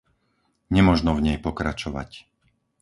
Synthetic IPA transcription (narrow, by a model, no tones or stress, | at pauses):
ɲɛmɔʒnɔvɲɛjpɔkɾat͡ʃɔʋa̰c